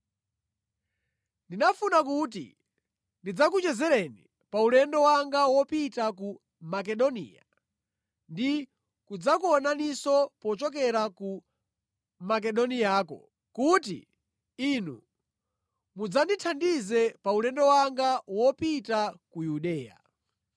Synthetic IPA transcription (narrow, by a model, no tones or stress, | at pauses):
ndinafunak̬ut̬ḭ | ndid͡zak̬ut͡ʃɛzɛɾɛni | paulɛndɔwaŋɡawɔpitaku | mak̬ɛɗɔnḭːja̰ | ndi | kud͡zakuɔnanisɔpɔt͡ʃɔkɛɾaku | mak̬ɛɗɔnijaːkɔ̰ | kutḭ | inṵ | mud͡zanditʰandizɛpaulɛndɔwaŋɡawɔpitakujuɗɛːja̰